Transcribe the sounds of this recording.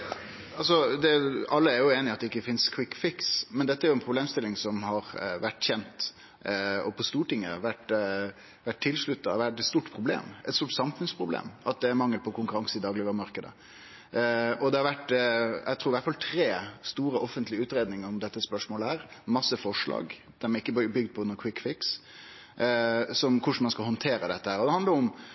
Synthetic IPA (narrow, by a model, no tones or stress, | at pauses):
ɑlsɔd̪ɛɑlːəæɾjʊeːnɪɑt̪d̪ɛɪkːəfɪnskʰwɪkːfɪksmɛnd̪ɛt̪ːəæɾjʊɛnpʰɾʊbleːmst̪ɪlːɪŋsɔmhɑɾʋæʈːçɛnt̪ | ɔpʰɔst̪uːʈɪŋːə̰ʋæʈ | ʋæʈ̚ʰːɪlːʂɭʉt̪ːɑʋæʈ̪st̪uːʈpʰɾʊblḛːmʔɛt̪suːʈsɑmfʉnspʰɾʊblḛːmɑt̪̚d̪ɛæɾmɑŋːəlpʰɔkʊŋkʉɾɑŋsəɪd̪ɑːɡlɪʋəɾmɑɾkəd̪ə̰ | ɔd̪ɛhɑɾʋæʈːæ̰t̪ʰɾuːɾʋæʈfɑlt̪ʰɾeːst̪uːɾəʔɔfənt̪lɪəʉːt̪ɾeːd̪nɪŋəɾɔmd̪ɛt̪ːəspœʂmoːləæːɾmɑsːəfɔʂɭɑ̰ːɡ | d̪̥æmæɾɪkːəbbʏɡd̪̚pʰɔʊnːəkʰwɪkːfɪks | sɔmkʰʊʂɳ̩mɑnskɑlhɔnt̪ʰeːɾəd̪ɛt̪ːəhæːɾɔd̪ɛɑnəɾʊm